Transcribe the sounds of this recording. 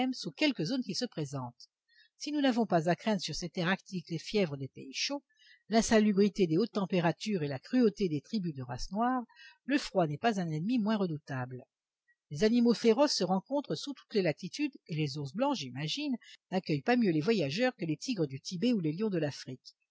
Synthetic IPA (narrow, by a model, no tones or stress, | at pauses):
ɛmsukʲɛlkəzonkʲisəpχezɑ̃t̪ | sinunavɔ̃pazakχɛ̃d̪ʁsyʁsɛt̪ɛʁakt̪iklefjɛvʁəd̪epeiʃo | lɛ̃salybʁit̪ed̪eot̪ːɑ̃peʁat̪yʁelakχyot̪ed̪et̪χibyd̪əʁa̰snwaːʁləfχwanɛpazɛ̃nɛnmimwɛ̃ʁəd̪ut̪abl | lezanimofeʁɔsːəʁɑ̃kɔ̃t̪χəsut̪u̥t̪lelat̪it̪yd̪elezuʁsblɑ̃ʒimaʒinnakʲœjpamjølevwajaʒœʁkəlet̪ʰiɡʁəd̪yt̪ibeuleljɔ̃d̪əlafχik